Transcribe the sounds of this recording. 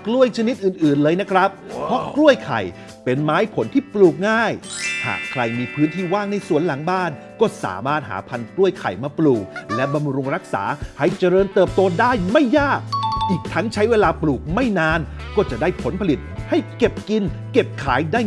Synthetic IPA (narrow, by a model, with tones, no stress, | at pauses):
klu˥˩əjt͡ɕʰa˧ni˦˥t̪̚ʔɯː˨˩nʔɯː˨˩nlɤː˧jna˦˥kʰɾa˦˥p̚pʰɔ˦˥klu˥˩əjkʰa̰˨˩j | pe˧nmaː˦˥jpʰo˩˦nt̪ʰiː˥˩pluː˨˩k̚ŋaː˥˩jha̰ː˨˩kʰɾa˧jmiː˧pʰɯː˦˥nt̪ʰiː˥˩waː˥˩ŋna˧jsu˨˩˦ənla˩˦ŋbaː˥˩n | kɔː˥˩sa̰ː˩˦maː˥˩t̪̚hɦa̰ː˩˦pʰa˧nklu˥˩əjkʰa̰˨˩jmaː˧pluː˨˩k̚lɛ˦˥ba˧mɾu˧ŋɾa˦˥k̚sa̰ː˩˦ha˥˩jt͡ɕa˧ɾɤː˧nt̪ɤː˨˩p̚t̪oː˧daː˥˩jma˥˩jːaː˥˩k̚ʔiː˨˩k̚t̪ʰa˦˥ŋt͡ɕʰa˦˥jweː˧laː˧pluː˨˩k̚ma˥˩jnaː˧n | kɔː˥˩t͡ɕa˨˩daː˥˩jpʰo˩˦npʰa˧li˨˩t̪̚ha˥˩jke˨˩p̚ki˧n | ke˨˩p̚kʰaː˩˦jdaː˥˩